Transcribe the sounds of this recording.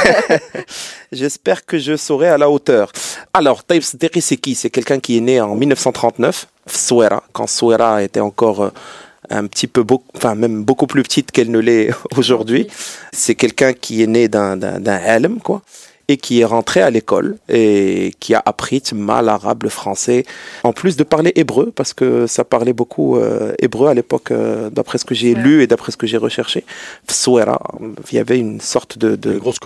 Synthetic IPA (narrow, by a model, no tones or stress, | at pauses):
ʒɛspɛʁkəʒəsoʁɛalaot̪œːʁalɔʁt̪ɑjibsəd̪iqisɛkisɛkɛlkɛ̃kiɛneɑ̃milnəfsɑ̃t̪χɑ̃t̪nœf | fsweɾa̰kɑ̃sweɾaet̪ɛɑ̃kɔʁ | ɛ̰̃pt̪ʰipøboɑ̃fɛ̃mɛmbokuplypə̥t̪ʰit̪kɛlnəlɛoʒuʁd̪ɥisɛkɛlkɛ̃kʰiɛned̪ɛ̃d̪ɛ̰̃d̪ɛ̃ʕalmkwa | ekʰiɛʁɑ̃t̪χealekɔ̰lekʰia̰ʔapχit̪ma̰laʁa̰bləfχɑ̃sɛɑ̃plys̬d̪əpaʁleʔebʁøpaʁsə̥kəsapaʁlɛbokʰṵebʁøalepɔkd̪apχɛsə̥kəʒelyed̪apχɛsə̥kəʒeʁəʃɛʁʃefi̥sweɾa̰ja̰vɛynsɔʁt̪d̪əd̪ə